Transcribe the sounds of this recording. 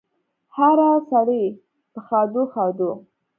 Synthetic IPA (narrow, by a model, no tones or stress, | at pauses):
haɾasaɽe | pəxɑd̪oxɑd̪o